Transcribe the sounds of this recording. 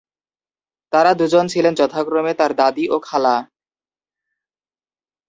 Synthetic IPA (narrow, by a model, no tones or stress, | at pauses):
t̪aɾad̪ud͡ʑont͡ɕʰilend͡ʑɔt̪ʰakɾomet̪aɾd̪ad̪iʔokʰala